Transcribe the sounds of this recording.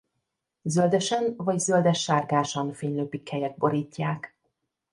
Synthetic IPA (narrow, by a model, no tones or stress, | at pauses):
zøld̪ɛʃɛnvɒɟzøld̪ɛʃːaːrɡaːʃɒnfeːɲløːpikhɛjɛd̪̚bo̞ɾiːcːaːk